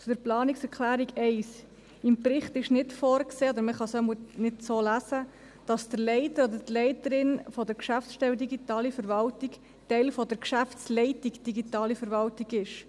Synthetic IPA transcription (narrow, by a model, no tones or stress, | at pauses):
t͡sʊd̥̪əɾplɑːniksɛɾkʰlæːɾiɡɛɪs | ɪmpɾɪχtɪʃnɪtfoːɾkseːod̪əɾməχɑsɔmunɪdsoːlæsə | d̥ɑsd̥əɾlɛɪtəɾɔd̪ətlɛɪtəɾɪnfɔdəɾkʃæfsʃtɛldiɡitɑːlifəɾvɑltik | tɛɪlfɔdəɾkʃæft͡slɛɪtikd̥iɡitɑːlifəɾvɑltiɡɪʃ